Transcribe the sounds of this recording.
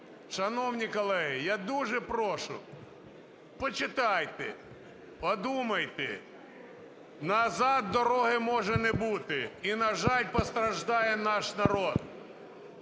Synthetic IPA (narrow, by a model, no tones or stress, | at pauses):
ʃɐnɔwnʲikɔlˠɛɦɪjad̪uʒɛpɾɔʃʊ̰ | pɔt͡ʃɪt̪ɑjt̪ɛ | pɔd̪umɐjt̪ɪ | nɐzɑd̪̚ːɔɾɔɦɪmɔʒɛnɛbut̪ɪinɐʒɑlʲpɔst̪ɾɐʒd̪ɑjɛnɑʃnɐɾɔd̪̚